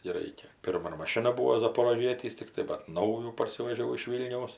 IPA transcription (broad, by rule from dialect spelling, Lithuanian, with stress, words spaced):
ɡʲɪ ˈrɐɪkʲɛ ˈpʲɪrmɐ ˈmoːnoː mɐˈʃʲɪnɐ ˈbuːoː zɐpoːroːˈʒʲiɛtʲiːs ˈtʲɪktɐɪ bɐt ˈnɐʊjuː pɐrʲˈsʲɪʋʲɛʒʲɛʊ ɪʃ ˈʋʲiːlʲnʲɛʊs